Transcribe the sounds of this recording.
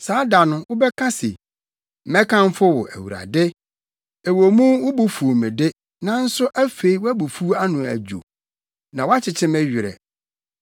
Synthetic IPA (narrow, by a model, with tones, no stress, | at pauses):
saː˨˦da˨nʊ̃˨wʊ˦bɛ˦kʰa˦sɪ̰˨ | mɛ̃˦kʰã˦m˦fʊ˦wʊ̰˨ʔæ̰˨wṵ˨ɾa̰˨dɪ˦ | e˨wo˨mũ˦wʊ˦bʊ˦fu˨mɪ̃˨dɪ˦ | nã˦n̩˦sʊ˦ʔæ˦fe˨i˦wæ˦bu˨fu˦a˦nʊ̃˨æ̰˨d͡ʑᶣo̰˨ | nã˨wa˦t͡ɕʰɪ˨t͡ɕʰɪ̃˦mɛ˦ɥᶣɪ˨ɾɛ̰˨